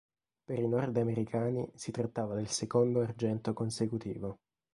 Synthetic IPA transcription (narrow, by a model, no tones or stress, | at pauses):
peɾinɔrd̪ameɾikʰaːnisit̪ɾat̪ːaːvad̪elsekond̪oard͡ʒɛnt̪okonsekut̪iːvo